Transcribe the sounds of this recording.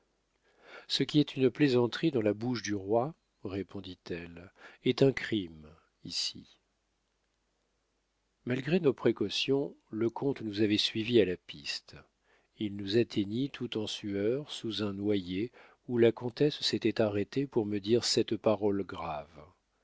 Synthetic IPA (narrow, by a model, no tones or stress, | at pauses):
səkʲiɛt̪ʰynplezɑ̃t̪χid̪ɑ̃labuʃd̪yʁwa | ʁepʰɔ̃d̪it̪ɛlɛt̪ɛ̃kχim | isḭ | malɡʁenopχekɔsjɔ̃ləkʰɔ̃t̪nuzavɛsɥivialapist̪ | ilnuzat̪ʰeɲit̪ʰut̪ɑ̃syœʁsuzɛ̃nwaje | ulakɔ̃t̪ɛsːet̪ɛt̪aʁet̪epuʁməd̪iʁsɛt̪paʁɔlɡʁav